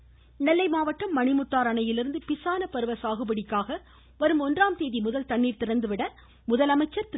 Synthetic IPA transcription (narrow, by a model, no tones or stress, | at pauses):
nɛlːɐɪmaːʋɐʈːɐmːɐɳɪmɯʈːaːɾɐɳɐjɪlɪɾɯnd̪ɯpɪsaːnɐpɐɾɯʋɐsaːɣɯbɐɽɪkːaːɣɐ | ʋɐɾɯmɔndraːmt̪eːðimʊðɐlt̪ɐɳːiːɾt̪ɪɾɐnd̪ɯʋɪɽɐ | mʊðɐlɐmɐɪt͡ʃːɐɾt̪